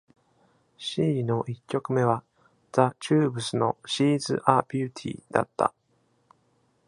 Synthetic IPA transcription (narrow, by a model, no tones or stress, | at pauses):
ɕiːno̞ʔikʲːo̞kɯ̟me̞β̞a | d͡zat͡ɕɨːbɯ̟sɨno̞ɕiːzɨ̰ʔaːpʲɨːt̪ʲʰḭːd̪̥a̰t̪ːa̰